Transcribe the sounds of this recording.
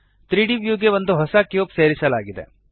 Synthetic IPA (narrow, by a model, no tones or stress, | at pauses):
t̪ɾiːɖiʋjuɡ̬ebɐnd̪ʱoɦɐsakjoːpseːɾɪsalaːɡit̪ɛ̰ː